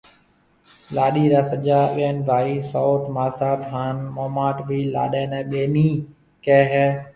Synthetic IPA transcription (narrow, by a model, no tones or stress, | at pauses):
laːɗiːɾaːsəʄaːɠeːnʋʱaːiːsoːt̪maːsaːt̪ɦaːnmoːmaːʈbʱiːla̰ːɗẽːnɛ̃ːɓeːniː | kɛːɦɛː